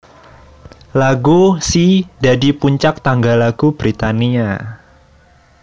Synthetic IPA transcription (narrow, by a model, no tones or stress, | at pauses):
laɡusidadipuɲt͡ʃak̚t̪aŋɡalaɡ̥ub̥ɾit̪ania